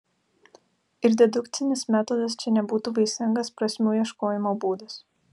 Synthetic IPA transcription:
ɪɾd̪ʲɛd̪ʊkt̪sʲɪnʲɪsmʲæːt̪ɔːd̪ɐst͡ʃʲɛnʲɛbuːt̪uːʋɐɪsʲɪŋɡɐspɾɐsʲmʲuːjiɛʃkoːjɪmoːbuːd̪ɐs

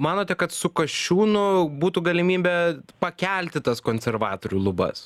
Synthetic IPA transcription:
mɑːnoːt̪ʲɛkɐt̪sʊkɐʃʲuːnʊbuːt̪uːɡɐlʲɪmʲiːbʲɛpɐkʲɛlʲt̪ʲɪt̪ɐskoːnʲsʲɛrʋɑːt̪oːɾʲuːlˠʊbɐ̰s

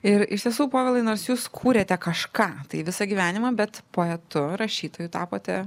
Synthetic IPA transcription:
ɪɾɪʃt̪ʲiɛsuːpoːʋʲɛlˠɐɪnoːɾsjuːskʰuːɾʲeːt̪ʲɛkɐʃkɑːt̪ɐɪʋʲɪsɐɡʲiʋʲæːnʲɪmɐbʲɛt̪poːɛt̪ʊɾɐʃʲiːt̪oːjuːt̪ɑːpoːt̪ʲɛ

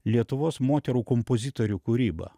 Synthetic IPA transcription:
lʲiɛt̪ʊʋoːsmoːt̪ʲɛɾuːkɔmpozʲɪt̪oɾʲuːkuːɾʲiːbɐ̰

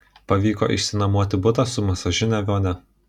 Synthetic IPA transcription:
pɐʋʲiːko̰ːʔɪ̰ʃʲsʲɪnɐmuɔt̪ʲɪbʊt̪ɐsʊmʲɛsɐʒʲʊnʲɛʋʲoːnʲɛ

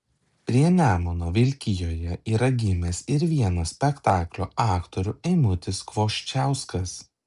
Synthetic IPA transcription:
pʲɾʲiɛnʲæːmonoːʋʲɪlʲkʲɪjoːjɛiːɾɐɡʲɪmʲɛsɪɾʋʲiɛnɐsʲpʲɛkt̪ɑːklʲuɑːkt̪ɔɾʲʊɛɪmʊt̪ʲɪskʋoːʃʲt͡ʃʲæˑʊskɐs

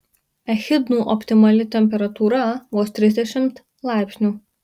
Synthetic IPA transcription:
ɛxʲɪd̪nuːʔɔpʲt̪ʲɪmɐlʲɪt̪ʲɛmʲpʲɛɾɐt̪uːɾɐʋuːst̪ʲɾʲɪzʲd̪ʲɛʃʲɪmt̪ | lˠɑˑɪpʲsʲnʲuː

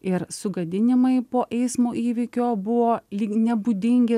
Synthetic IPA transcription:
ɪɾsʊɡɐd̪ʲɪnʲɪmɐɪpoːʔɛɪsmoːʔiːʋʲɪkʲoːbʊʋoːlʲinʲɛbuːd̪ʲɪŋʲɡʲɪ

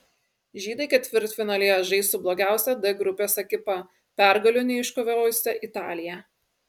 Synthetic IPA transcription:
ʒʲiːd̪ɐɪkʲɛt̪ʲʋʲɪɾt̪fʲɪnɐlʲeːjoʒɐɪst̪ublˠoːɡʲæˑʊsʲɛd̪ɐɡɾʊpʲeːsʲɛkʲɪpɐ | pʲæˑɾɡɐlʲʊnʲɪɪʃkoʋʲoːjʊsʲɛʔɪt̪ɑːlʲɪjɛ

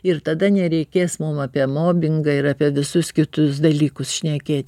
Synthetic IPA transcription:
ɪrt̪ɐd̪ɐnʲɛɾʲɛɪkʲeːsmʊmɑpʲiɛmoːbʲɪŋɡɐɪɾɑːpʲiɛʋʲɪsʊskʲɪt̪ʊsd̪ɐlʲiːkʊsʃʲnʲɛkʲeːt̪ʲ

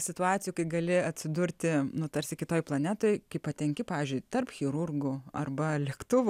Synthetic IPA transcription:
sʲɪt̪ʊɑːt͡sʲɪjuːkɐɪɡɐlʲɪɐt̪ʲsʲɪd̪ʊɾʲt̪ʲɪnʊt̪ɐɾʲsʲɪkʲɪt̪oːjplˠɐnʲæːt̪oːjkɐɪpɐt̪ʲɛŋʲkʲɪpɑːʋʲiːzʲd͡ʒʲʊɪt̪ɐrpxʲɪɾʊrɡʊɐrbɐlʲɪkt̪ʊʋʊ

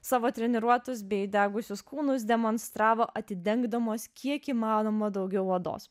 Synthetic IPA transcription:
sɑːʋoːt̪ʲɾʲɛnʲɛɾuɔt̪ʊs̬bʲɛɪd̪ʲæːɡʊsʲʊskuːnʊs̬d̪ʲɛmoːnst̪ɾɑːʋoːʔɐt̪ʲɪd̪ʲɛŋɡd̪ɐmoːskʲʰiɛkiːmɑːnoːmoːd̪ɒʊɡʲɛʊʋɐd̪o̰ːs

